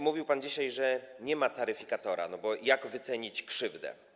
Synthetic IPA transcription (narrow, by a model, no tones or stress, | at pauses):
muvʲiwpand͡ʑiɕajʐɛɲɛmat̪aɾɘfʲikat̪ɔɾa̰nɔbɔjaɡvɘt̪sɛɲit͡ɕkʂɘvd̪ɛ̰